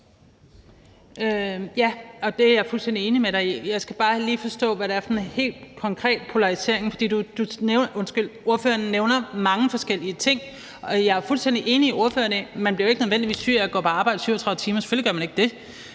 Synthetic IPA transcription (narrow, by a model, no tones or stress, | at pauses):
jæɒ̽d̥e̝æjɑ̈ɪfulsd̥en̰d̥ie̝ːnimeɾ̥ɑ̈ɪjɑ̈ɪsɡ̥æb̥ɑ̈ːliːfɒ̽sd̥ɔ̰̽ːʋæɾ̥ɑæɐsɒnhe̝̰ːld̥kʰɒ̽ŋkʰʁɛ̰ːd̥pʰo̝lɑ̈ʁise̝̰ɐe̝ŋfɒ̽d̥ḭːd̥ud̥unenɔ̽nsɡ̥ylo̝ɐføːɐnneʊnɐmɑ̈ŋəfɒ̽sɡ̥el̰iət͡sʰe̝ŋ̰ | ɒ̽jɑ̈æɐfulsd̥en̰d̥iʔe̝ːniio̝ɐføːɐnmænbliɐoe̝ɡ̥nøðˠʋendiʋḭːsy̰æɡ̥ɒ̰ːpʰɒ̽ɑ̈b̥ɑ̈ɪ̰d̥əsyʊ̰ɐt͡sʰʁɑ̈ðˠət͡sʰiːmɐse̥føliɡ̥ɶɐmæne̝ɡ̥̚d̥e̝